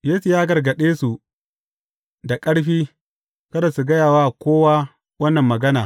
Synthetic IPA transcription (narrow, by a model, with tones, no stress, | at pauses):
jeː˦su˨jaː˦ɡɐ˨rɡɐ˨ɗeː˦su˨ | da˨kʼɐ˦ɽɸiː˦ | kɐ˦da˨su˨ɡɐ˦jaː˨waː˦˨kʷoː˦waː˦ | wɐ˦nːɐ˨mːɐ˨ɡɐ˦naː˨